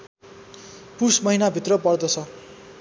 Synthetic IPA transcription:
pursmʌɦinabʱit̪rʌpʌrd̪ʌt͡sʰʌ

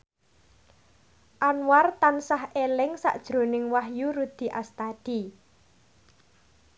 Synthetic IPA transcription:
ʔanwart̪ansahelɪŋsa̰ʔd̥ʒ̥ɾo̤nɪŋwaɦjuɾud̪̥i̤ʔast̪ad̪̥i

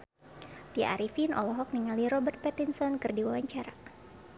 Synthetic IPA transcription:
tia̰ɾifinʔɔ̰lɔɦɔk̚niŋaliɾɔbərt̪̚pɛt̪insɔnkɨrdiwawaɲt͡ʃaɾa

